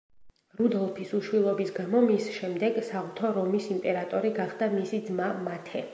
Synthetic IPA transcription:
ɾud̪ɔlˠpʰisuʃwilˠɔbisɡamɔmisʃɛmd̪ɛɡsaut̪ʰɔɾɔmisimpʼɛɾat̪ʼɔɾiɡaχd̪amisid̪zmamat̪ʰɛ

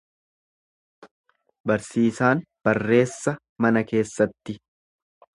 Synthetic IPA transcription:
bɐɾsiːsaːn | b̥ɐrːe̞ːsːɐ | mɐnɐke̞ːsːɐt̪ːɪ

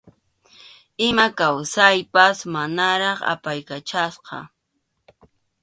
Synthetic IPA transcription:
ɪmakawsajpasmanaɾɑχa̰pajkat͡ʃasqɑ̰

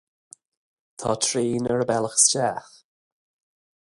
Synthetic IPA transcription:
t̪ʰɑːtʰɹiːnəɹəbɛləxst͡ʃaːx

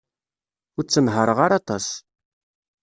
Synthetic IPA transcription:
ʊɾt͡sːənɦəɾˤəʁaɾɑt̪ˤɑs

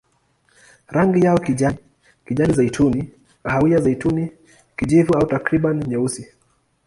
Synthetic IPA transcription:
ɾaŋɡijaɔkiʄa | kiʄanizaitʰuni | kaɦawiazaituni | kiʄivuautakɾiɓaniɲɛusi

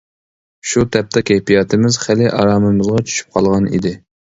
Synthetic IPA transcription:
ʃut̪ʰɛp̚t̪ʰɛkʲʰɛjpijɑt̪ʰɪmɪzχælɪʔɑɾɑːmɨmɨzʁɑt͡ʃʰy̥ʃy̥p̚qʰɑlˠʁɑnḭd̪ɪ

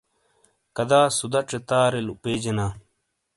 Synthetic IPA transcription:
kɐd̪aːsud̪ɐʈ͡ʂet̪aːɾelupeːd͡ʑenaː

